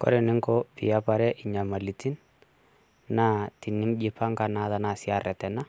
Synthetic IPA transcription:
kɔ̰˦ɾɛ˨nɪ˦ŋkɔ˦pɪ˨ja˦pa˨ɾɛ˦ʔɪ˨ɲa˨ma˨li˨ti˦n | na˦ti˨nɪ˦md͡ʒɪ˦pʰa˦ŋka˦na˨ða˦na˨sɪ˦a˨rɛ˨tɛ˨na˦

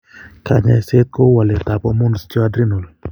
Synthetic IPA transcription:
ka˨ɲa˨se˦t̪̚ko˦wa˨lɛ˨t̪a˨pɔ˦mʊ˦n˨st͡ʃɔ˦a˦dɾi˦no˨l

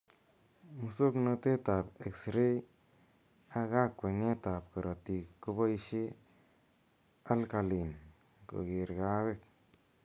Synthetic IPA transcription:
mu˧so˦kno˧t̪e˦t̪a˨be˨ksɾe˦j | a˧ɡa˦kwe˨ŋe˦t̪a˨pko˨ɾo˨t̪i˨ko˧ba˦jʃi˦ | a˦lka˧li˨n | ko̰˨ɡi˨ɾɡa˧˦βe˦k̚

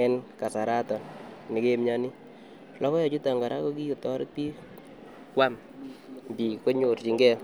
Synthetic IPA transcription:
ɛ˦nka˨sa˨ɾa˦tɔ˨nnɪ˨ke˦mɲa˦ni˦ | lʔɔ˦kɔ˦jɔ˨t͡ʃu˦ta˨ŋɡa˨ɾʔa̰˦kɔ˦ki˦jo˨tɔ˦ɾɪ̰˦k̚pi˦ | kwa˦m | bi˨ko˦ɲo˨ɾt͡ʃi˨ŋɡɛ˦

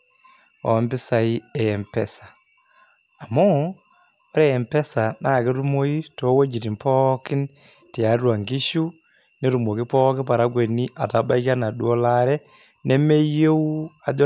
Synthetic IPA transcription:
ɔ̰˨˦mbɪ˦sa˨i˦ɛ˨ɛ˨mpɛ˦sḁː˨ | mɔː˦ | ɾɛ˦ɛ˨mpɛ˦sa˨na˦˨ke˦ɾu˦mo˦i˦to˨˦wo˦d͡ʒi˨ti˨mpɔ˦kɪ˦n | ti˨a˨˦rwa˨ŋɡi˦ʃu˦ | ne˦ɾu˨mo˨ki˦pɔ˦kɪ˦pa˨ɾa˦k̬we˨ni˦ʔa˨ta˨ba˦i˦ka˦na˨ɗu˦ɔ˦la˦ɾɛ˦ne˦me˦je˦u˦a˨d͡ʒɔ˦

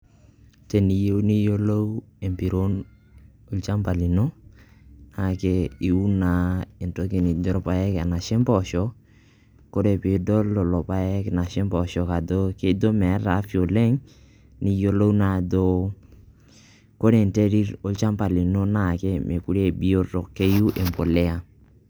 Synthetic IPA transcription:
te˨ni˨je˦u˦ni˦jo˦lo˦we˨mpi˨ɾo˦n | o˦lt͡ʃa˦mpa˨li˨no˦ | na˨ke˦i˨u˦na˨e˨nto˦ke˨ni˨d͡ʒɔ˦ɾpa˦ɛ˦ka˨na˨ʃɛ˦mpɔ˨ʃɔ˨˦ | ko˦ɾe˨pe˨do˦lːo˨lɔ˨pa˦jɛ˦kna˨ʃɛ˦mpɔ˨ʃɔ˨ka˨do˦ke˦do˦mɛ˨˦ɾa˨˦fi˨o˨lɛ˦ŋ | ni˨jo˦lo˦una˨do˦ | ko˦ɾe˨nte˦ɾi˦ɾo˦lt͡ʃa˦mpa˨li˨no˦na˦˨ke˦me˨ku˦ɾe˦bi˦o˦to˨ke˦ju˦ʔe˨mpo˨lɛ˦a˨

